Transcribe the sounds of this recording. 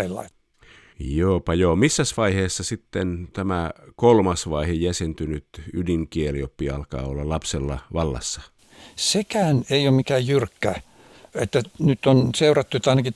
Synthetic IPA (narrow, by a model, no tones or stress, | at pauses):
ilːɑ̰i | joːpɑjoːmisːæsʋɑiheːsːɑsit̪ːent̪æmækolmɑsʋɑihejæsent̪ynyt̪ydiŋkieliopːiɑ̰lkɑ̰ːolːɑlɑpselːɑ̰ʋɑlːɑ̰sːɑ̥ | sekæːneiommikæːjjyrkːæ | et̪ːænyt̪ːonseurɑt̪ːuet̪ːɑinɑki